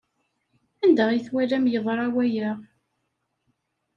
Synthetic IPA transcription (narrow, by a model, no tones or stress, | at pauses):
ænd̪æʁjəθwælæmjəðˤɾˤɑwæjəʁ